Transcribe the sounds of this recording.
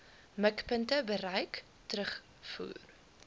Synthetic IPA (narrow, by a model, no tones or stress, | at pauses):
məkpəntəbəɾəjk | tɾəχ | fṵːr